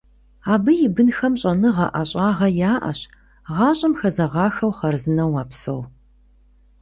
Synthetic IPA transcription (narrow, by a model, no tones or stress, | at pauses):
aːbɨjɪbɨnxɐmɕʼɐnɨʁɑʔaɕʼɑːʁɐjaːʔɐ̰ɕ | ʁɑːɕʼɐmxɐzɐʁɑːxɐwχɐrzɨnɐwaːpso̰w